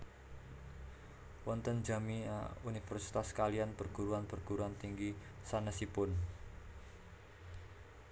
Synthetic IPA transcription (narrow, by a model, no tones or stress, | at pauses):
wɔnt̪ənd͡ʒamia̰unifərsi̥t̪askalianpərɡ̥uɾuanpərɡ̥uɾuant̪iŋɡisanəsipʊn